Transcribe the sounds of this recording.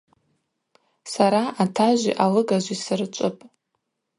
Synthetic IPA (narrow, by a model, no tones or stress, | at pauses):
saɾaʔatʰaʒʷḭʔalɨɡaʒʷisɨrɨt͡ʃʷʼʊpʼ